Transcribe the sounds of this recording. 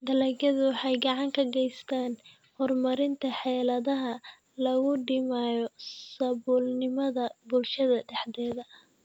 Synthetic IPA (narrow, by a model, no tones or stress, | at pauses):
d̪ɐlɐɡɐðʊwɑħɑjɡɑʕɑŋkʰɐɡɛjst̪ʰaːn | hɔrmɐɾɪnt̪ʰɐħɛːlɐðɐɦɐ | lɐɣʊɖɪmaːjɔsɐβuːlnɪmɐðɐbʊlʃɐðɐɖɛħd̪ɛːðɐ